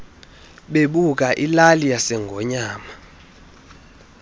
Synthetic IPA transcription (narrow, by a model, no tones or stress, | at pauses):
ɓeɓuk̬aʔilalijasɛŋɡʱɔɲaːma